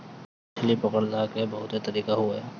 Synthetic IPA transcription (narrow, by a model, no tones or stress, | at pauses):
t͡ʃʰɪlipɐkəɽlakebɐɦʊt̪et̪ɐɾiːkaɦuaɦɛː